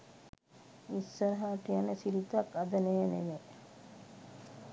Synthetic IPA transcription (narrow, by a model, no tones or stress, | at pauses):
isːəɾɐɦaːʈijanəsilit̪akad̪ənejneʋe